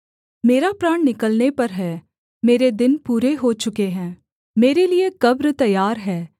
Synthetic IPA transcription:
meːɾapɾaːɳ̃nɪkəlnepɐɾɦɛː | meːɾed̪ɪnpuːɾeɦot͡ʃʊkeɦɛ̃ː | meːɾeliekɐbɾt̪ɐjːaːɾɦɛː

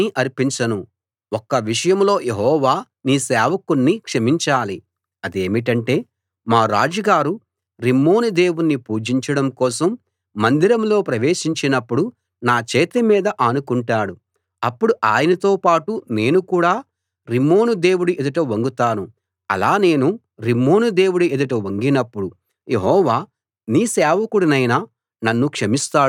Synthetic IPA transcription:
iʔɐɾpiɲt͡ʃɐnu | ɔkːɐʋiʂɐjɐmlo̞ːjeɦɔːʋaː | niːsɛːʋɐkunːikʂɐmiɲt͡ʃaːli | ɐd̪e̞ːmiʈɐɳʈe̞ː | maːɾaːd͡ʒɐɡaːɾu | ɾimːo̞ːnud̪e̞ːwunːipuːd͡ʒiɲt͡ʃɐɽɐmkɔːsɐmː | ɐnd̪iɾɐmlo̞ːpɾɐʋe̞ːʂiɲt͡ʃinɐpːuɽu | naːt͡ʃɛːt̪emiːd̪ɐʔɐnukuɳʈaːɽu | ɐpːuɽuʔaːjɐnɐt̪o̞ːpaːʈune̞ːnukuːɽaː | ɾimːo̞ːnud̪e̞ːwuɽuʔed̪uʈ̬ɐʋɐŋɡut̪aːnu | ɐ̰laːne̞ːnu | ɾimːo̞ːnud̪e̞ːwuɽued̪uʈɐʋɐŋɡinɐpːuɽu | je̞ɦɔːʋaː | niːsɛːʋɐkuɽinɐjnɐː | nɐnːukʂɐmist̪aː

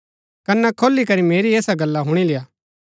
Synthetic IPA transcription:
kɐnɛkʰoːlːikɐɾimeːɾieːsaɡɐlːaɦʊɽ̃ilɪjaː

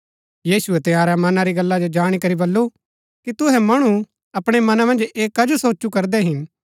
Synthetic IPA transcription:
jiːsʊɛt̪ɪjaːɾamɐnãɾiɡɐlːad͡ʒod͡ʒaːɽ̃ikɐɾibɐlːo | kit̪ʊɦɛmɐɽ̃u | ɐpɽ̃emɐnãmɐ̃nd͡ʒeːkːɐd͡ʒosoːt͡ʃːukɐɾd̪ɛɦɪn

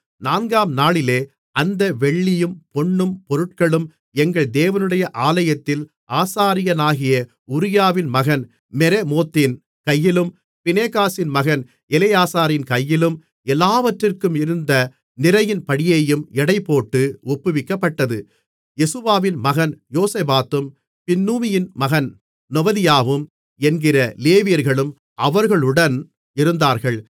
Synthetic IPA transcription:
naːnɡaːmnaːɭɪleː | ɐnd̪ɐʋɛɭːɪjɯmpɔɳːɯmpɔɾɯʈkɐɭɯm | ɛŋɡɐɭd̪eːʋɐnɯɽɐjɐʔaːlɐjɐt̪ːɪl | ʔaːsaːɾɪjɐnaːɣɪjɐ | ʊɾɪjaːʋɪnmɐɣɐn | mɛɾemoːt̪ːɪn | kɐjːɪlɯm | pɪneːkaːsɪnmɐɣɐn | ɛlɪjaːsaːɾɪnkɐjːɪlɯm | ɛlːaːʋɐʈrɪrkɯmɪɾɯnd̪ɐ | nɪɾɐjɪnpɐɽɪjeːjɯmɛɽɐɪpːoːʈːɯʊpːɯʋɪkːɐpːɐʈːɐðɯ | jɛsɯʋaːʋɪnmɐɣɐnjoːseːbaːt̪ɯm | pɪnːuːmɪjɪnmɐɣɐn | nɔbɐðɪjaːʋɯm | ɛnɡɪrɐleːʋɪjɐɾɣɐɭɯm | ʔɐʋɐɾɣɐɭʊɽɐn | ɪɾɯnd̪aːɾɣɐɭ

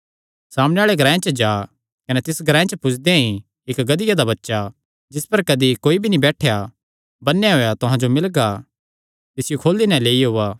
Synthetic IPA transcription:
saːmɽ̃eaːɭeɡʱɐɾãːẽt͡ʃəd͡ʒaː | kɐnet̪ɪsɡʱɐɾãːẽt͡ʃəpʊt͡ʃʰd̪ẽĩ | ɪkɡɐd̪ɪjad̪abɐtːʃa | d͡ʒɪspɐɾkɐd̪ikoːibʱinibɛːʈʰeja | bɐnːjaɦoːjat̪ʊɦãd͡ʒomɪlɡa | t̪ɪsɪjokʰoːlinɛ̃leːiɦʊːaː

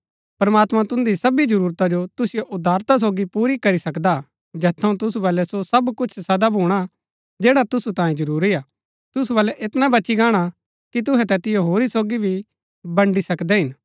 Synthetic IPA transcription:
pɐɾmaːt̪mãt̪ʊ̃nd̪isɐbid͡ʒɐɾuːɾt̪ad͡ʒot̪ʊsɪjoʔʊd̪ʱaːɾt̪as̬oːɡipuːɾikɐɾisɐkd̪a | d͡ʒɛːt̪ʰːɐũt̪ʊsubɐːlɛsosɐbkʊt͡ʃʰsɐd̪abʱuːɽ̃a | d͡ʒɛːɽat̪ʊsut̪ãːjẽd͡ʒɐɾuːɾiaː | t̪ʊsubɐːlɛʔɪt̪nabɐːʃiɡaːɽ̃a | kit̪̬ʊɦɛt̪ɛt̪ɪjoɦoːɾisoːɡibʱi | bɐɳɖisɐkd̪ɛɦɪn

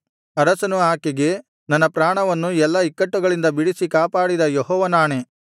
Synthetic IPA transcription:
ɐɾɐsɐnuaːkiɡe̞ | nɐnːɐpɾaːɳɐʋɐnːuɛlːɐikːɐʈːuɡɐɭind̪ɐbiɽisikaːpaːɽid̪ɐjɔɦɔːʋɐnaːɳe̞

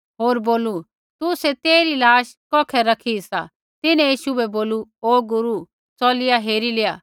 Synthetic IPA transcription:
ɦoːɾboːlu | t̪uset̪eːɾilaːʃkɔːkʰɛɾɐkʰisa̰ | t̪ɪnɛ̃jiːʃubɛboːluoːɡʊɾu | t͡sɔːlɪjaɦeːɾilɪjaː

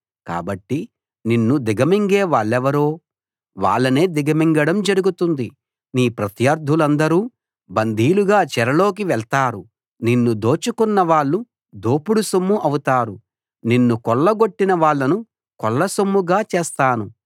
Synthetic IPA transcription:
ka̰ːbɐʈːi | ninːud̪iɡɐmiŋɡeːʋaːɭːɛʋɐɾoː | ʋa̰ːɭːɐne̞ːd̪iɡɐmiŋɡɐɽɐmd͡ʒɐɾuɡut̪und̪i | niːpɾɐt̪jɐɾd̪ʱulɐnd̪ɐɾuː | bɐnd̪ʱiːluɡaːt͡ʃɛɾɐlo̞ːk̬iʋɛɭt̪aːɾu | ninːud̪oːt͡ʃukunːɐʋaːɭːu | d̪oːpuɽusɐmːuʔɐwut̪aːɾu | ninːukɔɭːɐɡo̞ʈːinɐʋaːɭːɐnu | kɔɭːɐsomːuɡaːt͡ʃeːst̪aːnu

